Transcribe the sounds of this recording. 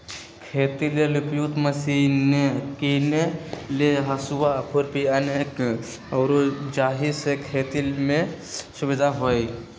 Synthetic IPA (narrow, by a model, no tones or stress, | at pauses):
kʰeːt̪ilelupjut̪məsinekineleɦəsuwaəkʰuɾpiənek | əwɾod͡ʒaːɦisekʰet̪ilme | subid̪ʱaɦoj